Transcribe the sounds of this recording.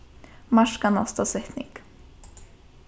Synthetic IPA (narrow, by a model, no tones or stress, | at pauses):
maʂkana̰st̪asɛtnɪ̰k